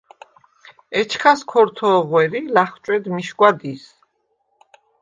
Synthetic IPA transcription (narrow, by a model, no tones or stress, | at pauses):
ɛt͡ʃʰχʰaskʰɔɾt̪ʰɔʁwɛɾilaχt͡ʃʼwɛd̪miʃɡʷwad̪is